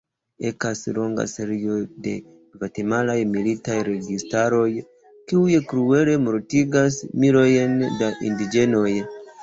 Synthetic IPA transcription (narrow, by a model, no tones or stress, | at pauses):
e̞kaslo̞ŋɡa̰seɾio̞de̞̰ | vatemalajmilitajɾe̞ɡistaɾo̞j | kiujkɾue̞le̞moɾtiɡasmiɾo̞jndaʔindid͡ʒe̞no̞j